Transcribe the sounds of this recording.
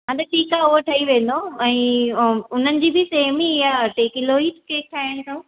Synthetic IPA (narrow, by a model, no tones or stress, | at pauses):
ɦãt̪ɐʈʰiːkaʊɦoʈʰɐiʋẽːn̆d̪oɛ̃ː | ʊn̤ənɪ̆d͡ʑiːbɪseːɦmijaʈeːkɪloːitkeːk̚ʈʰaːẽt̪ʰo